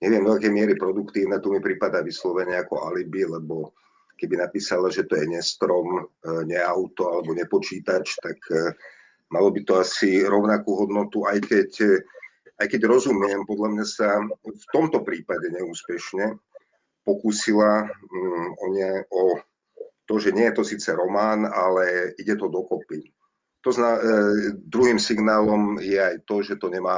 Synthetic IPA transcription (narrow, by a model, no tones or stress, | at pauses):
ɲɛʋɪɛmd̪ɔakɛjmɪɛɾipɾɔd̪ukt̪iːʊnɛt̪umipɾipad̪aːʋislɔʋɛɲɛakɔʔalibilɛbɔ | kɛbinapiːsalaʒɛt̪ɔjɛɲɛst̪ɾɔmɲɛaʊt̪ɔalɛbɔɲɛpɔt͡ʃiːt̪at͡ʃt̪ak | malɔbit̪ɔasiɾɔʊnakuːɦɔd̪nɔt̪uajkɛc | ajkɛɟɾɔzumɪɛmpɔd̪ʎamɲasaft̪ɔmt̪ɔpɾiːpaɟɛɲɛuːspɛʃɲɛ | pɔkuːsila | ɔɲɪɛɔ | t̪ɔʒɛɲɪɛjɛt̪ɔsiːt͡sɛɾɔmaːnalɛiɟɛt̪ɔd̪ɔkɔpi | t̪ɔzna | d̪ɾuɦiːmsiɡnaːlɔmjɛajt̪ɔʒɛt̪ɔɲɛmaː